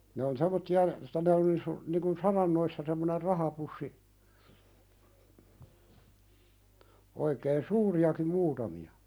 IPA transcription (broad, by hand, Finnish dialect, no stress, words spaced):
ne on semˑotːiɑ niŋ kun sɑrɑnːoisːɑ semːoner rɑhɑpusːi oikeːn suːriɑkim muːtɑmiɑ